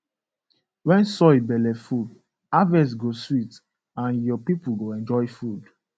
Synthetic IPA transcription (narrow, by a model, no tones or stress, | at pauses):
wɛ̃nsɔibɛlɛfud | avɛ̃s̬ɡoswit | ãnjɔpipulɡoɛ̃nd͡ʒɔjfud